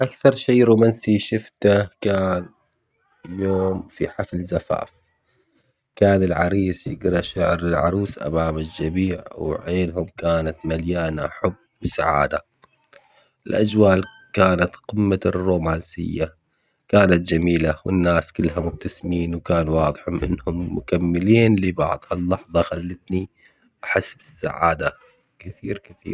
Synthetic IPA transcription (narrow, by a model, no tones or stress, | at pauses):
ʔakθɑɾˤʃiːɾuːmansiʃɪft̪akaːn | ljoːmfiħaflzafa̰ːf | kaːnɪlʕɑɾiːsjɪɡɾɑʃaʕɾɪlʕɑ̰ɾˤiːsʔa̰maːmɪld͡ʒabiːʕwʕeːnɦʊmkaːnat̪maljaːnaħʊbːwsa̰ʕa̰ːd̪a | ʔɪlʔad͡ʒwaːl | kaːnat̪qɪmːarːuːmaːnsɪ̰jːa | kaːnat̪̚d͡ʒamiːlawɪ̰nːaːskɪlːɦamʊb̚t̪asɪmiːnwkaːnwɑːðˤɨħʊmʔɪ̰nːhʊmːʊkamːɪliːnlɪbɑ̰ʕðˤhalːɑħðˤɑxalːɪt̪ni | ʔaħɪsːbɪsːa̰ʕa̰ːd̪a | kɪθiːɾkɪθḭːɾ